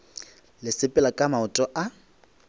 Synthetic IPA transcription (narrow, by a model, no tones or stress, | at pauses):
lɪsɪpʼɪlakʼamaʊtʼɔʔa